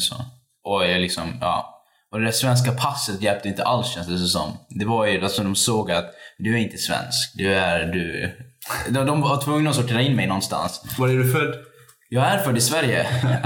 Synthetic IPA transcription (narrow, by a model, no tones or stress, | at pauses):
sɔ̰ | ʔɔlɪksɔmjɑ̰ː | ɔd̪ɛd̪æʂvɛns̬kapʰasːət̪jɛlp̚t̪əɪnt̪ʰə̰ʔalsɕɛnsd̪əs̬ɔsɔ̰mːd̪ɛvaɾjɵalsɔd̪ɔmsoːɡat̪d̪ɵæɾɪnt̪ə̥svɛ̰nskd̪ɵæɾd̪ʉ | d̪ɔd̪ɔmvvaʈ̪ʰvɵŋːnaɔsʊʈʰːeːɾaɪnːmɛjnɔnːst̪a̰nsvaɾæɖɵfœd | jɑːɡæɾfœɖ̪ːɪsvæɾjə̰